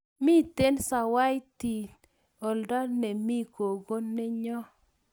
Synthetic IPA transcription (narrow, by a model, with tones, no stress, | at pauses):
mi˦t̪e˦nsa˨wa˦jti˨ | ɔ˨ldɔ˦nɛ˨mi˦ko˨ɡo˦nɛ˦ɲɔ˦